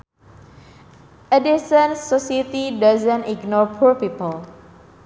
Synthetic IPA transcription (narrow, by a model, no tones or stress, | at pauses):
ʔədisə̃nsɔsit̪idazə̃niɡnɔɹpʰuɹpipəl